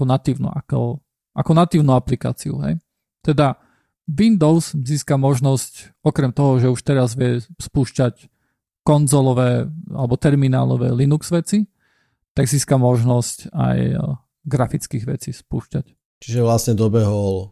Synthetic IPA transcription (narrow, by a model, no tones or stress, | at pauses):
akɔnat̪iʊnṵʔakɔ̰ | ʔakɔnat̪iːʊnuaplika̰ːt͡siṵɦɛ̰j | t̪ɛd̪a | ʋind̪ɔʊzziːskamɔʒnɔsc | ɔkɾɛmt̪ɔɦɔʒɛuʃt̪ɛɾazʋɪɛspuːʃcac | kɔnzɔlɔʋɛːa̰lɛbɔt̪ɛɾmina̰ːlɔ̰ʋɛ̰ːlinukz̥ʋɛt͡si | t̪aɡziːskamɔʒnɔsca̰j | ɡɾafit͡skiɣʋɛ̰t͡sispṵːʃcac | t͡ʃiʒɛʋlasɲɛd̪ɔbɛɦɔl